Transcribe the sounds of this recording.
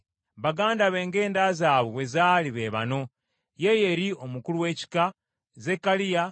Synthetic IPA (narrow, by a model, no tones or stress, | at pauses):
βaɡaːndaβe̞ːŋɡe̞ːndazaːβoβwe̞zaːliβe̞ːβa̰no̞ | je̞je̞ɾio̞mukuluwe̞ːci̥ka | ze̞kːalija